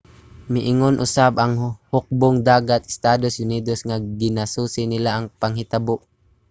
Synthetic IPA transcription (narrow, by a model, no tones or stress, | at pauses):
mɪʔɪŋonʔʊ̰sabaŋhʊk̚bʊŋd̪aːɡat̪ɪ̥st̪aːd̪osʊniːd̪osŋaɡɪnasuːsɪnɪlaʔːŋpaŋɦɪt̪aboʔ